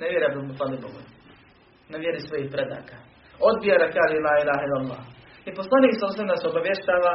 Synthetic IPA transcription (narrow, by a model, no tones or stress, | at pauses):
neʋjeɾiabd̪umut̪aliboɡu | neʋjeɾisʋojihpɾed̪a̰ːka | o̞d̪̚bijaɡakaːʒelaːilaːɦilalˠːa̰ːh | iposlˠaniːksalˠuseemd̪aseo̞baʋjeʃt̪aːʋa